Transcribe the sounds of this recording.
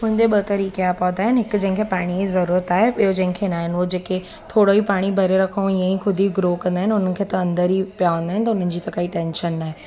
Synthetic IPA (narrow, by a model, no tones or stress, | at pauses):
mʊ̃ɦɪ̃ɲd͡ʑeɓɐt̪ɐɾiːkeapɐ̃ːnd̪aːɦɪnɦɪkd͡ʑɐ̃ɦɪ̃ŋkʰepaːɽ̃iizɐɾuːɾət̪aːɦeɪɦod͡ʑɐ̃ɦɪ̃ŋkʰenaːɦɪnɪʋod͡ʑeːke | t̪ʰoːɽoipaːɽ̃ibʱɐɾeɾɐkʰəũjãĩkʰʊd̪ʱiɡɾokɐ̃nd̪aɦɪnʊn̤ən̆kʰeːt̪ɐɐ̃nd̪əɾipijaʋɐ̃nd̪aɦɪn̆t̪ɐʊn̤ən̆d͡ʑiːt̪ɐkaːiʈẽːnʃənːaːɦe